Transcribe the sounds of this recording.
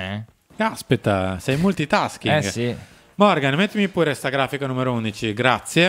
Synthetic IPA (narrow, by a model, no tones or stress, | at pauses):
ɛ | kaspet̪ːasɛjmult̪it̪askiɡ | mɔɾɡanmet̪ːimipuːɾest̪aɡɾaːfikanumeɾound̪it͡ʃiɡɾat̪sːje